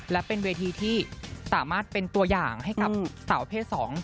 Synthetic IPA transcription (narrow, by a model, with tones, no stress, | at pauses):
lɛ˦˥wpe˧nweː˧t̪ʰiː˧t̪ʰiː˥˩saː˩˦maː˥˩t̪̚pe˧nt̪u˧ɐjaː˨˩ŋha˥˩jka˨˩p̚sa˩˦wpʰeː˥˩t̪̚sɔː˩˦ŋ